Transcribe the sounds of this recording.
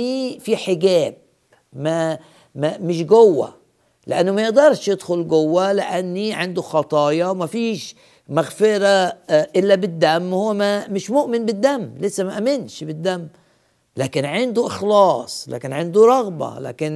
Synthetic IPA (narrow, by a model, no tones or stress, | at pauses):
ifiħɪɡæːb̚ | ma | mamɪʃ̬ɡʊwːa̰ | lɪ̰ʔanːʊmajɪʔd̪ɑɾˤʃjɪd̪xʊlɡʊwːalɪ̰ʔanːiʕɪnd̪uxɑt̪ˤɑːjɑwmafiːʃ | maɣfɪɾaʔɪlːabɪd̪ːamːhʊwːmamɪʃmʊʔmɪnbɪd̪ːamːlɪsːamaʔamɪnʃbɪd̪ːamː | læːkɪnʕɪnd̪uʔɪxlɑːsˤlæ̰ːkɪnʕɪnd̪uɾˤɑɣba̰la̰ːkɪn